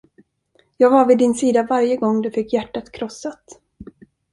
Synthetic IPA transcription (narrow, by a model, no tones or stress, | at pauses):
jɑːɡvaɾvɪd̪ɪnsiːd̪avaɾjəɡɔŋːd̪ɵfɪkːjæʈːat̪kʰɾɔsːat̪